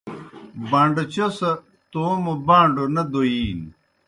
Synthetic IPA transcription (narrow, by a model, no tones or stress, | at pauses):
bãːɳɖɐt͡ɕʰɐsɐ | t̪oːmɐbãːɳɖonɐd̪oiːn